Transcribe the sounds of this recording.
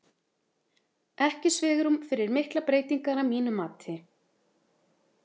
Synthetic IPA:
ɛhcɪsvɪːɣʏɾumfɪɾɪɾmɪhklapɾeːjt̪iŋkaɾamiːnʏmaːt̪ʰɪ

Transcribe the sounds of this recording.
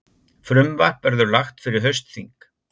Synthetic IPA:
fɾʏmvahpɛɾðʏɾlaxt̪fɪɾɪɾ̥ɦœɥst̪θiŋk

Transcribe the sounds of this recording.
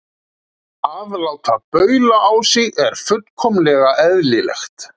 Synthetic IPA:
aːvlawt̪ʰapœːɥlaʔawsɪɣɛɾ̥fʏt̪kʰɔmlɛɣaʔɛðlɪlɛ̰xt̪

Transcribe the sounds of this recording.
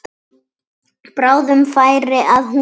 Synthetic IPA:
pɾaːwðʏmfaːjɾɪʔaðhu

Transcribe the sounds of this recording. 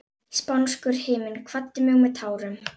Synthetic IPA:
spawnskʏɾ̥heːmɪnkʰvat̪ːɪmɛɣumɛt̪ʰaːwɾʏm

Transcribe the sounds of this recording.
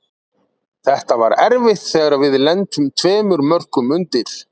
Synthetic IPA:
θɛht̪ava̰ɾɛɾvɪht̪θɛːɣaɾavɪðlɛnt̪ʏmt̪ʰvɛːmʏɾmœr̥kʏmʏnt̪ɪɾ̥

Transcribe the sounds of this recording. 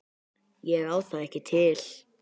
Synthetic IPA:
jɛɣawsθaðɛhcɪt̪ʰɪl̥

